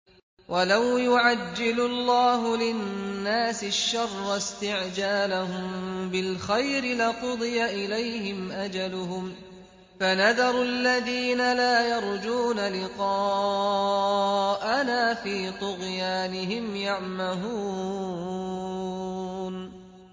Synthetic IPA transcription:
wʔalawjʊʕad͡ʒːɪlʊlːɑːɦʊlɪnːaːsɪʃːɑrˤːɑst̪ɪʕd͡ʒaːlaɦʊmbɪlxajɾɪlɪqʊd̪ˤɨjaʔɪlajhɪmʔad͡ʒalʊɦʊm | fanaðɑɾˤalːaðiːnalaːjɑɾˤd͡ʒuːnalɪqɑː | ʔanaːfiːt̪ˤʊɣjaːnɪɦɪmjaʕmaɦuː | n

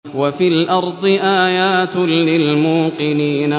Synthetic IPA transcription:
wafiːlʔɑɾˤd̪ˤɨʔaːjaːt̪lɪlmuːqɨniːna

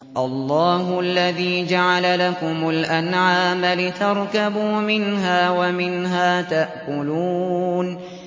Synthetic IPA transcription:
ʔɑlˤːɑːɦʊʔalːaðiːd͡ʒaʕalalakʊmʊlʔanʕaːmalɪt̪ɑɾˤkabuːmɪnɦaːwamɪnɦaːt̪aʔkʊluːn

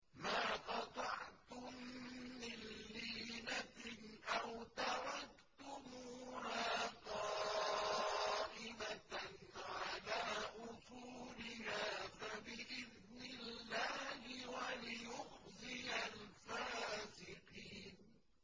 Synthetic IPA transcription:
maːqɑt̪ˤɑʕt̪ʊmː | ɪnːiːnaʔawt̪aɾɑk | t̪ʊmuːhaːqɑ | ʔɪmanʕalaːʔʊsˤuːlɪhaːfabɪʔɪð | nɪlːaːhɪwalɪjʊhðˤɪjalfaːsɪqiːn

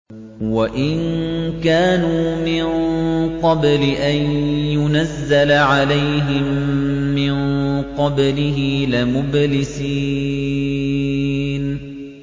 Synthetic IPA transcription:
waʔɪnkaːnuːmɪnqɑblɪʔanjʊnazːalaʕalajɦɪmː | ɪnqɑblɪɦɪlɪmʊblɪsiː | n

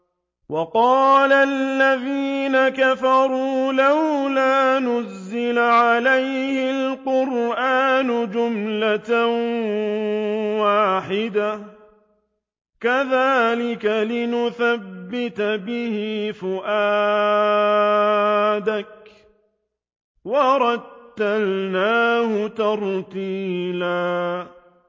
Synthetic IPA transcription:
wɑqɑːlalːaðiːnakafɑɾˤuːlawlaːnʊzːɪlaʕalajhɪlqʊɾʔaːnʊd͡ʒʊmlat̪a | waːħɪd̪a | kaðaːlɪkalɪnʊθabːɪt̪abɪhɪfʊʔaː | d̪ak̚ | wɑɾˤɑt̪ːalnaːhʊt̪ɑɾˤt̪iːlaː

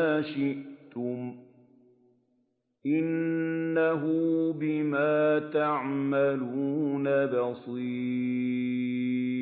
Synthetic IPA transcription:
aːʃɪʔt̪ʊm | ʔɪnːaɦubɪmaːt̪aʕmaluːnabɑsˤiː

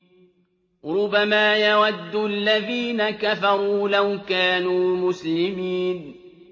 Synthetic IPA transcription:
ɾʊbːamaːjawad̪ːʊalːaðiːnakafɑɾˤuːlawkaːnuːmʊslɪmiːn

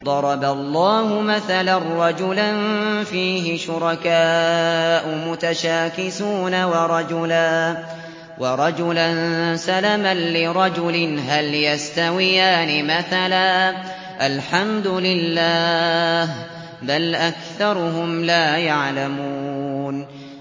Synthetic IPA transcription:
d̪ˤɑɾˤɑbalˤːɑːɦʊmaθalarˤːɑd͡ʒʊlanfiːɦɪʃʊɾɑkaːʔʊmʊt̪aʃaːkɪsuːnawɑɾˤɑd͡ʒʊlaː | wɑɾˤɑd͡ʒʊlansalamanlɪɾˤɑd͡ʒʊlɪnɦaljast̪awɪjaːnɪmaθalaː | ʔalħamd̪ʊlɪlːaːh | balʔakθɑɾˤʊɦʊmlaːjaʕlamuːn

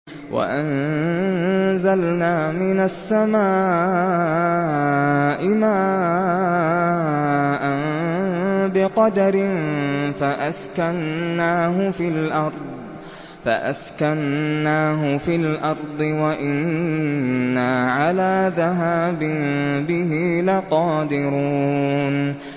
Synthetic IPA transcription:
wa̰ʔan | zalnaːmɪnasːamaː | ʔɪmaː | ʔan | bɪqɑd̪aɾɪnfaʔaskanːaːɦʊfilʔɑɾˤd̪ˤ | fa̰ʔa̰skanːaːɦʊfiːlʔɑɾˤd̪ˤɨwaʔɪnː | aːʕalaːðaɦaːbɪnbɪɦilaqɑːd̪ɪɾuːn

